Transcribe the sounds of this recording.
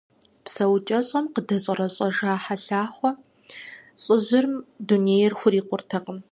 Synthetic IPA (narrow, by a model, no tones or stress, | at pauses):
psɐwt͡ʃʼɐɕʼɐmqədɐɕʼɐrɐɕʼɐʒaːħaɬaːχʷɔ | ɕʼɪʑɪrmduneːjɛrxʷʊriːqʷʊrtʰɐqəm